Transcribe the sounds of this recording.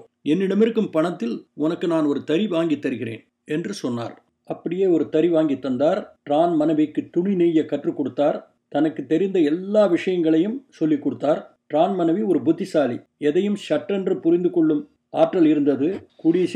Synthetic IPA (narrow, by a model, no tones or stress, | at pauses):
ɛnːɪɽɐmɪɾɯkːɯmpɐɳɐt̪ːɪlʊnɐkːɯnaːnɔɾɯt̪ɐɾiʋaːŋɡɪt̪ːɐɾɯɣɪɾḛːn | ɛndrɯsɔnːa̰ːɾ | ɐpːɐɽɪjeːɔɾɯt̪ɐɾiʋaːŋɡit̪ːɐnd̪aːɾʈɾaːnmɐnɐʋɪkːɯt̪ːʊɳɪniːjɐkːɐʈrɯkːɔɽɯt̪ːaːɾ | t̪ɐnɐkːɯt̪ːɛɾɪnd̪ɐɛlːaːʋɪʂɐjɐŋɡɐɭɐjɯmsɔlːikːɔɽɯt̪ːaːɾʈɾaːnmɐnɐʋiɔɾɯbʊt̪ːɪsaːliɛðɐjɯmʃɐʈːɐndrɯpʊɾɪnd̪ɯkɔɭːɯm | a̰ːʈrɐlɪɾɯnd̪ɐðɯkuːɽɪjɐ